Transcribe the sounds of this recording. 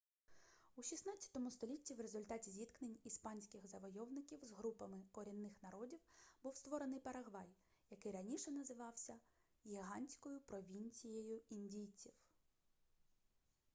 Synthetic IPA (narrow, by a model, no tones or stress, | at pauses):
uʃʲisnɑt͡sʲːɐ̥t̪ɔmʊst̪ɔlʲitʲːiwrezʊlʲt̪ɑtʲizʲit̪knenʲispɑnʲsʲkɪɣzɐʋɔjɔwnɪkʲiwzɦɾupɐmɪkɔɾʲinːɪxnɐɾɔdʲiwbuwst̪ʋɔɾenɪjpɐɾɐɦʋɑj | jɐkɪɾɐnʲiʃɛnɐzɪʋɑwsʲɐ | jʲiɦɑnʲsʲkɔjʊpɾɔʋʲinʲt͡sʲijejʊinʲdʲijt͡sʲiw